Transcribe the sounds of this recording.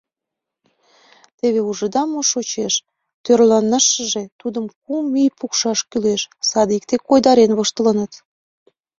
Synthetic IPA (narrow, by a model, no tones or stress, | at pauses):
t̪eβeuʒəd̪ɑmoʃot͡ɕeʃ | t̪ørlɑnːəʃəʒe̽t̪ud̪əmk̚umijpukʃɑʃkyleʃsɑd̪ik̚t̪ekojd̪ɑɾenβoʃt̪ələnət̪